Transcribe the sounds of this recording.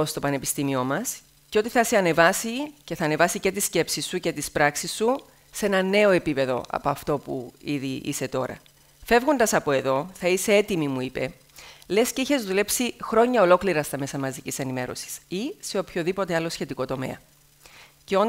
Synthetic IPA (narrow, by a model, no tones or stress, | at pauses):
ost̪o̞pɐne̞pist̪imio̞mɐs | ceo̞t̪iθɐseɐne̞vɐsice̞θɐne̞vɐsice̞t̪isce̞psisːuce̞t̪ispɾɐksisːu | see̞nɐne̞o̞e̞pipe̞ðo̞̰ʔɐ̰poɐft̪o̞pṵiðiʔḭse̞t̪o̞ɾɐ̰ | fe̞vɣond̪ɐsɐpo̞e̞ðo̞θɐise̞e̞t̪imimuipe̞ | le̞sce̞içe̞zðule̞psixɾo̞ɲːɐo̞lo̞kliɾɐst̪ɐme̞sɐmɐzicise̞nime̞ɾo̞̰si̥sise̞opço̞ðipo̞t̪eɐlo̞sçe̞t̪iko̞t̪o̞me̞̰ɐ | ceon